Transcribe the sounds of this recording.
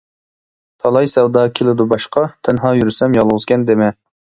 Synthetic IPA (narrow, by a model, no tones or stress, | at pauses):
t̪ʰɑlˠɑjsɛwd̪ɑːkʲʰelɪd̪ubɑʃqɑt̪ʰɛnɦɑːjyɾsɛmjɑlˠʁʊzkʲʰɛnd̪ɪmɛ